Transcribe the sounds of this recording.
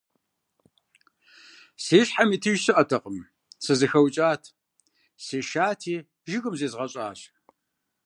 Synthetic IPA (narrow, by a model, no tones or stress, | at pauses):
seːɕħamiːtʰɨʒɕɨʔɐtʰɐqʼəm | t͡sʰɐzɨxɐwt͡ʃʼaːtʰ | seːʃaːtʰiː | ʒɪɣɨmzeːzʁɐɕʼa̰ːɕ